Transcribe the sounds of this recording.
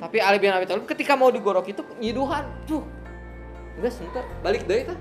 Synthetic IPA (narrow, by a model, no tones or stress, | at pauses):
t̪apialibianabit̪aləmkət̪ikamaudiɡoɾɔkit̪uɲiduɦant̪ʊh | uɡasunt̪ərbalɪk̚dəit̪u